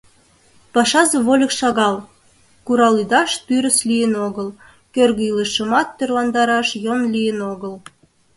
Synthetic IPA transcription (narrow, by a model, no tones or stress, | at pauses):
pɑʃɑzeβolʲəkʃɑɣɑl | kuɾɑlid̪ɑʃt̪yɾəslijənoɣəl | kørɣəiləʃəmɑt̪ːørlɑnd̪ɑɾɑʃjonlʲijənoɣəl